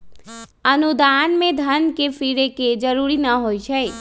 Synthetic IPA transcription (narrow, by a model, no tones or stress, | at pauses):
ənud̪anmed̪ʱənkepʰiɾeked͡ʒəɾuɾinəɦojt͡ʃʰəj